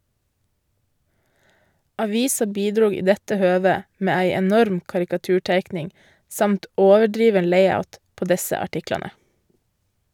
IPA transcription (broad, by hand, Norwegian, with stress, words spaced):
ˈɑʋɪsɑ ˈbiːdɾuː ˈiː ˈdɛtə ˈhøːʋə ˈmeː ˈæɪ ɛˈnɔɾm kɑɾɪkɑˈtʉːˌʈeɪknɪŋ ˈsɑmt ˈoːʋəˌɖɾiːʋən ˈleɪɑʉt ˈpoː ˈdɛsə ɑˈʈɪklɑnə